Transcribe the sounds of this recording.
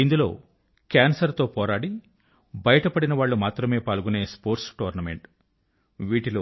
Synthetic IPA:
ind̪ulo̞ː | kaːnsɐɾt̪o̞ːpɔːɾaːɽi | bɐjɐʈɐpɐɽinɐʋaːɭːumaːt̪ɾɐme̞ːpaːlɡuneːspoːɾʈsʈoːɾnɐmḛɳʈ | ʋiːʈiloː

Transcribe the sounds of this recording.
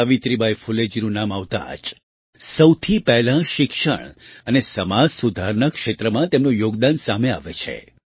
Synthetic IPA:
əʋit̪ɾibʱajfuled͡ʒiɾunamaʋt̪a̰d͡ʒ | səwt̪ʰipɛɦlãʃɪkʃə̰ɳ̃ənesəmad͡ʒsud̪ʱaɾnəkʃet̪ɾəmãt̪emnũjoɡd̪ansamea̰ʋet͡ʃʰḛ

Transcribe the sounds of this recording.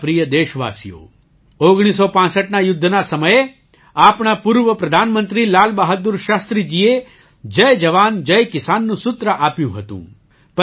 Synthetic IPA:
pɾijəd̪eːʃʋa̰ːsijo̰ | oɡɽ̃is̬opãːsəʈnajʊd̪ʱːnasəməje | apɳapuɾʋəpɾɐd̪ʱaːnmənt̪ɾilaːlbaɦad̪uɾʃast̪ɾid͡ʒie | d͡ʒəjd͡ʒəʋand͡ʒəjkɪsanːũsʊt̪ɾəʔaːpjṵ̃ɦət̪ṵ̃ː | pə

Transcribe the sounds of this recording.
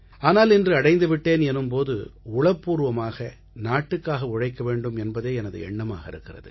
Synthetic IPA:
aːnaːlɪndrɯɐɽɐɪnd̪ɯʋɪʈːeːnɛnɯmpoːðɯ̰ʊɭɐpːuːɾɯʋɐmaːɣɐ | naːʈːɯkːaːɣɐʊɻɐɪkːɐʋeːɳɖɯmɛnbɐðeːɛnɐðɯ̰ɛɳːɐma̰ːɣɐɪɾɯkːɪrɐ̰ðɯ̰

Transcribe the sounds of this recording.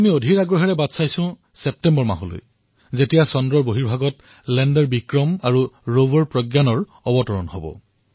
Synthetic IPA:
amiodʱiɹaɡɔɦɛɹɛbadsajsʊ̃ | sɛp̚tɛmbɔɹma̰ɦɔlo̰j | zetijasɔndɹɔɹboɦiɹbʱaɡɔt | lɛndɛɹbikɹɔmaɹuɹovɔɹpɹɔɡjanɔɹ | ɔbɔtɔɹɔ̰nhobɔ̰

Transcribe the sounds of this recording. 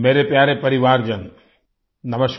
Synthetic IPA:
meːɾepjaːɾepɐɾiʋaːɾd͡ʒən | nɐməʃk

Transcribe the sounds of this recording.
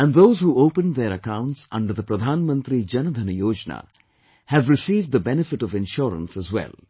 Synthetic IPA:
æ̃nɖðoːzhuːoːpə̃nd̪eɾəkãʊ̃ɳʈsʌ̰̃ɳɖəɾðəpɾəd̪ʱaːnmə̃nt̪ɾid͡ʒʌnəd̪ʱənəjoːd͡ʒna̰ | hævɾɪsiːvɖ̚d̪əbɛnɪfɪʈɔvɪ̃nʃɔːɾə̰̃nsəzwɛ̰l

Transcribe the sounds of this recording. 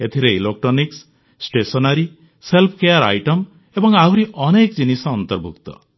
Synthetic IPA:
et̪ʰiɾeilok̚ʈɾɔniks | sʈesɔnaɾi | selpʰkejaɾa̰jʈɔm | ebɔŋawɾiʔɔnekd͡ʒinisɔːnt̪ɔɾbʱukt̪ɔ̰

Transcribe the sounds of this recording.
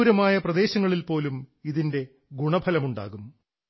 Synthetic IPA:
ɾɐmaːjɐprɐd̪e̞ːɕɐŋːɐɭilpo̞ːlumiðinde̞ | ɡuɳɐbʱʰɐlɐmuɳɖa̰ːɣum

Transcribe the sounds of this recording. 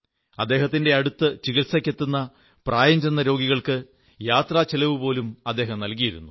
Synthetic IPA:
ɐd̪ːe̞ːɦɐt̪ːinde̞ɐɽut̪ːɨt͡ɕiɣiʈ̪sɐkʲːe̞t̪ːunːɐ | prʔaːjɐɲd͡ʑɐnːɐɾo̞ːɡiɣɐɭkɨ | jaːt̪raːt͡ɕelɐʋupo̞ːlumɐd̪ːe̞ːɦɐmnɐlkijiɾṵnːu

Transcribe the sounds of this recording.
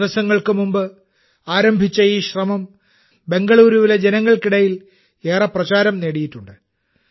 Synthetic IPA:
ʋɐsɐŋːɐɭkɨmumbɨ | aːɾɐmbʱit͡ɕːɐjiːɕrɐmɐm | be̞ŋɡɐɭuːɾuʋile̞d͡ʑe̞nɐŋːɐɭkiɽɐjil | e̞ːrɐprɐt͡ɕaːɾɐmneːɽijiʈːuɳɖɨ

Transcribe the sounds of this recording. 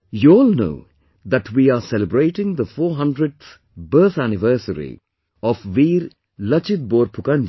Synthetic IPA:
juɔːlno̰ː | d̪æʈʰwiːaːsɛləbɾeːʈɪ̃ŋd̪əfoːɦʌ̃nɖɾəɖ̚t̪ | bəːt̪ænɪʋəːsəɾḭ | ɔfʋiːɾ | lʌt͡ʃɪt̪̚boːɾpʰʊkãnd͡ʒ

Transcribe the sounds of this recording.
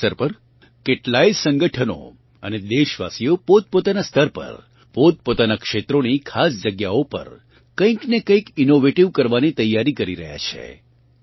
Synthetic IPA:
əɾpəɾ | keʈlaisə̃ŋɡəʈʰəno̰ | ə̰ned̪eʃʋa̰sijopot̪̚pot̪anast̪əɾpə̰ɾ | pot̪̚pot̪anakʃet̪ɾonikʰasd͡ʒəɡjaopə̰ɾ | kə̃ĩknekə̃ĩkinoʋeʈiʋkəɾʋanit̪əjːaɾikəɾiɾə̰ɦja̰t͡ʃʰḛ

